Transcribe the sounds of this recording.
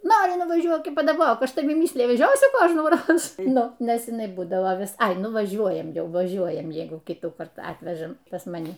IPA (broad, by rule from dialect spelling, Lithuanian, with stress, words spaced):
ˈnoːrʲɪ nʊʋɐˈʒʲuɔk iː pɐdɐˈboːk ˈɐʃ tɐˈʋʲɪ ˈmʲiːsʲlʲɪjɪ ʋʲˈæːʒʲoːsʲʊ ˈkoːʒnuːˌroːs ˈnʊ ˈnʲɛs ɪˈnɐɪ ˈbuːdɐʋoː ˈʋʲɪs ˈɐɪ ˈnʊ ʋɐˈʒʲuɔjɛm ˈjɛʊ ʋɐˈʒʲuɔjɛm ˈjɛɪɡʊ ˈkʲiːtuːkɐrt ˈɑːtʲʋʲɛʒɐm pɐs mɐˈnʲɪ